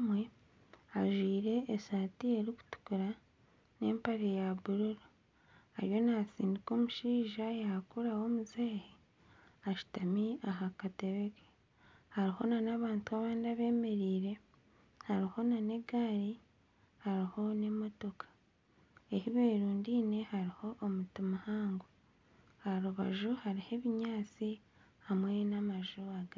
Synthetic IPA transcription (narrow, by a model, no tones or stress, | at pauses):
mwe | aʒwiːɾe̞ʔːsaːtie̞ɾiku̥tu̥kuɾa | ne̞mpaɾejaβuɾuɾo | aɾjo̞nasiːndiko̞ːmuʃiːʒajakuɾawo̞muzeːhe | aʃi̥tamiaɦakateβeke̥ | haɾiho̞nanaβaːntuaβaːndaβe̞ːme̞ɾiːɾe̞ | haɾiho̞nane̞ɡaːɾi | haɾiho̞ne̞mo̞to̞kʰḁ | ehiβe̞ːɾuːndiːne̞haɾiho̞ʔːmutimahaːŋɡo | aɾuβa̰ʒuhaɾihe̞βiɲaːt͡si | hamwe̞namaʒuaɡa